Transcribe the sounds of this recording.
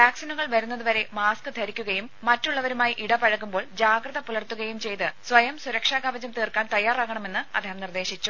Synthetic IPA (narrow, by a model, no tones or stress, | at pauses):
ʋjaːksinɐɣɐɭʋɐɾunːɐðɨʋɐɾe̞maːskɨt̪ʰɐɾikʲːuɣɐjumːɐtːuɭːɐʋɐɾumaːjiʔiɽɐpɐɻɐɣːumbo̞ːɭd͡ʑaːɡrɐðɐpulɐrt̪ːuɣɐjumt͡ɕe̞jt̪ɨsʋɐjɐmsuɾɐkʂaːɡaʋɐd͡ʑɐmt̪iːrkːaːnt̪ɐjːaːraːɣɐɳɐme̞nːɨɐd̪ʱːeːhɐmnird̪e̞ːɕit͡ɕːu